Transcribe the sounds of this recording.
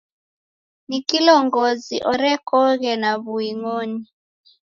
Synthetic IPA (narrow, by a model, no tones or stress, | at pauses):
nikilɔŋɡɔzḭʔɔɾɛkɔɣɛnaβuiŋɔni